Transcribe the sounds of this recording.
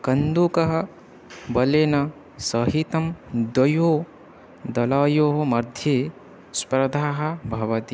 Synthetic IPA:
kɐnd̪ukɐɦɐ̆ | bɐleːnɐ | sɐɦit̪ɐmd̪ɐjoː | d̪ɐlaːjoːɦomɐɾd̪ʱjeː | spɾɐd̪ʱaːɦɐ̆bʱɐʋɐt̪i

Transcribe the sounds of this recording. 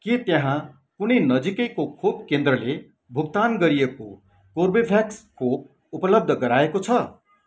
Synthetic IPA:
ket̪jeɦã | kunʌjnʌd͡zikʌjkokʰub̚kend̪rʌle | bʱukt̪anɡʌɾijeko | korbebʱjakskʰop̚ | upʌlʌb̚d̪ʱʌɡʌɾaekot͡sʰʌ

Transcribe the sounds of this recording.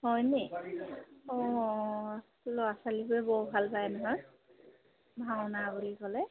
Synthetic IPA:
hɔjnɛ | ɔ | lɔasalibuɛbɔɦubʱalpaɛnɔɦɔj | bʱawnabulikɔlɛ

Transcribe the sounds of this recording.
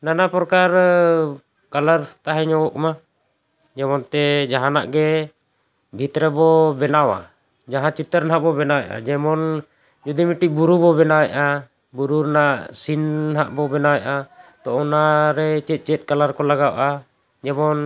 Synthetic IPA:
nanapɔɾɔkaɾ | kalaɾt̪aɦɛɲɔwɔʔkma | d͡ʒɛmɔnt̪ɛd͡ʒaɦana̰ʔɡɛ | bʱit̪ɾɛbɔbɛnawa̰ | d͡ʒaɦãt͡ʃit̪ːəɾnɦaʔbɔbɛnawɛʔa̰d͡ʒɛmɔn | d͡ʒud̪imiʈiʔ̚buɾubɔbɛnawɛʔa | buɾuɾnaʔsinɦaʔbɔbɛnawɛʔat̪ɔʔɔnaɾɛt͡ʃɛt̪̚ˀt͡ʃɛt̪̚kalaɾkɔlaɡawʔa | d͡ʒɛmɔn

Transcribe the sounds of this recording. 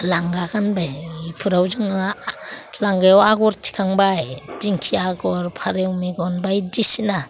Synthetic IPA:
laŋɡaɡanbajpʰɯɾawzɯŋalaŋɡajwaɡɔɾtʰi̥kʰaŋbajdiŋkʰiaɡɔɾpʰaɾewmeɡɔnbajdisina

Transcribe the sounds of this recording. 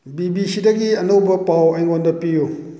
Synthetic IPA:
bibisidɐɡiɐnowbɐpawɐjŋondɐpiju

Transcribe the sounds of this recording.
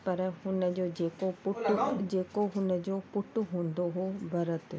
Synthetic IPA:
pɐɾɦʊnəd͡ʑod͡ʑeːkopʊʈd͡ʑeːkoɦʊnəd͡ʑoːppʊʈʊɦũːnd̪oɦobʱɐɾət̪

